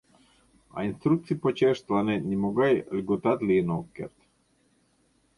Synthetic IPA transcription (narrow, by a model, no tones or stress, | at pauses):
a̰inst̪ɾuk̚t̪sipot͡ʃɛʃt̪lanɛnimoɡajlʲɡot̪at̪linokːɛ̰ɾt̪